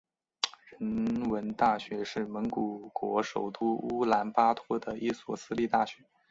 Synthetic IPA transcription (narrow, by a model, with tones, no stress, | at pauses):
ɻə˧˥nwə˧˥nt̪a˥˩ɕɥɛ˧˥ʂɻ̩˥˩mə˧˥nku˨˩kwɔ˧˥ʂo˨˩ʊt̪u˥u˥la˧˥npa˥t̪ʰwɔ˥˩d̪ə˨ʔi˥˩swɔ˥˩sɹ̩˥li˥˧t̪a˥˩ɕɥɛ˧˥